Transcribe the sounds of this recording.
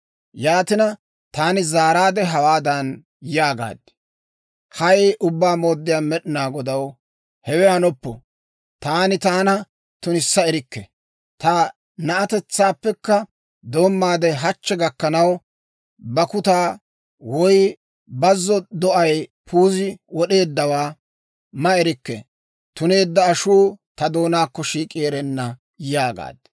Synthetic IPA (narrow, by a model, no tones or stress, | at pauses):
jaːt̪ɪnɐ | t̪aːnɪzaːɾaːd̪ɛɦɐwaːd̪ɐn | jaːɡa̰ːd̪ɛ̥ | hɐjʔʊbːaːmo̞ːd̪ːɪjaːmɛɗɪnaːɡɔd̪ɐw | hɛwɛhɐnɔpːɔ | t̪aːnɪt̪aːnɐ | t̪ʊnɪsːɐɪɾɪkːɛ̰ | t̪a | nɐʔɐt̪ɛt͡sːaːpːɛkːɐ | d̪o̞ːmːaːd̪ɛɦɐt͡ʃːɛɡɐkːɐnɐw | bɐkʊt̪aː | wɔj | bɐzːɔd̪ɔʔɐjpʰuːzɪwɔɗe̞ːd̪ːɐwaː | mɐɛɾɪkːɛ̰ | t̪ʊne̞ːd̪ːɐːʃuːt̪ɐd̪o̞ːnaːkːɔʃiːkʼiːɾɛnːɐ | jaːɡa̰ːd̪